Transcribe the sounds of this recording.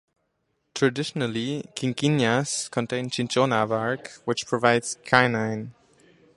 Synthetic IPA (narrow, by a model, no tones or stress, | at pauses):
tʰɹ̥ədɪʃənəlikʰɪ̃ŋkĩnjaskʰə̃ntʰẽɪ̃nt͡ʃʰɪ̃nt͡ʃonavaɹkwɪt͡ʃpʰɹ̥ɔvaɪdz̥kʰaɪnãɪ̃n